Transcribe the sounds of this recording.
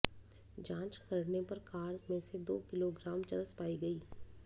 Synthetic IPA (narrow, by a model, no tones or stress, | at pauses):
d͡ʒãːt͡ʃkɐɾnepɐɾkaːɾd͡ʒmẽsed̪o̰ːkɪloɡɾaːmt͡ʃɐləspaːiɡɐiː